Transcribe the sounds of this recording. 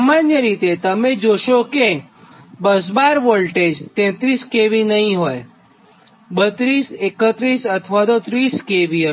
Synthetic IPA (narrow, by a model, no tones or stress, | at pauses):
amanjəɾit̪et̪əmed͡ʒoʃoke | bəs̬baɾʋolʈed͡ʒt̪ɛ̃t̪ɾiskeʋinəɦĩɦoj | bət̪ɾisekət̪ɾisət̪ʰʋat̪ot̪ɾiskeʋi